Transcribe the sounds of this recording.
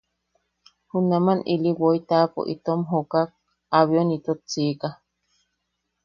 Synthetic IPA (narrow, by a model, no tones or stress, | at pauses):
hunamanʔiliwoit̪apo̰ʔḭt̪omɦokak̚ | aβionit̪ot͡sika